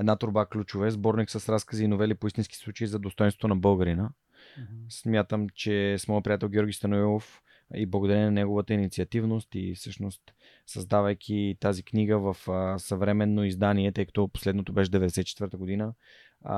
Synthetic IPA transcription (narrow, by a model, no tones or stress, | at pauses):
ɛd̪nat̪oɾbaklʲut͡ʃʊvɛzbɔɾniksəsɾaskəziːnovɛlipoist̪inskʲi̥slˠut͡ʃəizɐd̪ost̪ɔjnst̪vot̪onɐbəlˠɡəɾinə | smʲjat̪əmt͡ʃɛsmɔjəpɾiat̪ɛlˠɡʲɔɾɡʲist̪ɐnoilˠof | iblˠɐɡod̪ɐɾɛninɐnɛɡovət̪əinit̪siɐt̪ivnost̪ḭfsɤʃnost̪ | sɐzd̪avɐjkʲʰit̪azikniɡəvəfsɐvɾɛmɛnːoizd̪aniɛt̪ɤjkɐ̥t̪opo̥slɛd̪not̪obɛʃɛd̪ɛvɛd̪ɛsɛt̪it͡ʃɛ̥t̪vəɾt̪əɡod̪inə